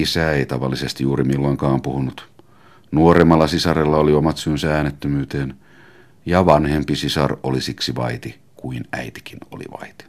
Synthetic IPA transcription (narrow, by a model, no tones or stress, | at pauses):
isæeit̪ɑʋɑlːisest̪ijuːɾimilːoiŋkɑːmpuhunut̪ | nuoremːɑlːɑsisɑrelːɑoliomɑt̪synsææːnːet̪ːømyːt̪eːn | jɑʋɑnhempisisɑ̰rolisiksiʋɑ̰it̪i | kuinæ̰it̪i̥kino̰lḭʋɑ̰it̪i̥